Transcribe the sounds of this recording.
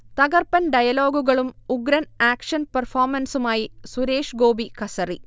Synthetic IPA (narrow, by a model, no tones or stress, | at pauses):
t̪ɐɣɐrpɐnɖɐjɐloːɡuɣɐɭumʊɡɾɐnaːkʂɐnpɐrfaːɾmɐnsumaːjisuɾeːʂɡoːbikɐsɐri